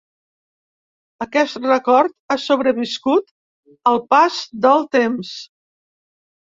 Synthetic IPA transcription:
əkɛst̪rəkɔɾt̪̚asoβɾəβiskut̪ | əlˠpazd̪əlˠt̪ems

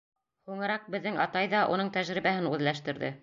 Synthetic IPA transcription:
huŋɤ̆ɾɑq̚bɘ̆ðːɘŋɑt̪ɑjðɑʔunɤɴt̪æʒɾiβæhɘnʉðlæʃt̪ɘ̆ɾðɘ̰

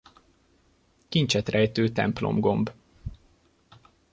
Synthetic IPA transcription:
kint͡ʃɛt̪rɛjt̪øːt̪ɛ̰mplo̞̰mɡo̞mb

